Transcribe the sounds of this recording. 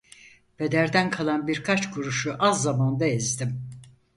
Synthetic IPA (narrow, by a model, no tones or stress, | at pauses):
b̥e̞d̪æɾd̪ænkʰalˠanbiɾkʰat͡ʃkʰuɾuʃuʔazːamand̪aezd̪im